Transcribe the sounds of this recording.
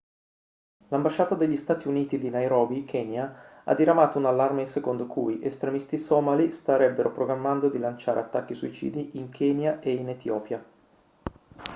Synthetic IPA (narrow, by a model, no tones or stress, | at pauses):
lambaʃːaːt̪ad̪eʎːist̪aːt̪iuniːt̪id̪inajɾɔːbikʰɛːnjaa̰d̪ːiɾamaːt̪ounalːarmesekond̪okʰṵjʔest̪ɾemist̪isɔːmalist̪aɾɛbːeɾʔopɾoɡɾamːand̪od̪ilant͡ʃaːɾʔḛat̪ːakːisuit͡ʃḭːd̪iʔiŋkʰeːnjaʔeinet̪jɔːpja